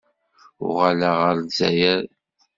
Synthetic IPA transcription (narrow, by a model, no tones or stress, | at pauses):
ʊ̰ʁalaʁəɾnzæ̰jæɾ